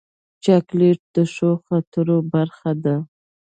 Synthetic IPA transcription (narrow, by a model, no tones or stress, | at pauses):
t͡ʃɑkleʈ̚d̪əʃoxat̪əɾobaɾxad̪a